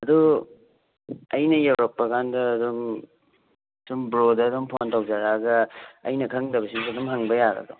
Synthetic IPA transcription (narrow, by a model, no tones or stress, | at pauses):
ɐdu | ɐjnɐjɐwɾɐk̚pːɐkʰandɐːdum | sumbɾodɐːdumpʰontawd͡ʒaɾaɡɐɐ̰jnɐkʰɐŋdɐbɐsiŋdɐdumɦɐŋbɐjaɡɐ̰dɔ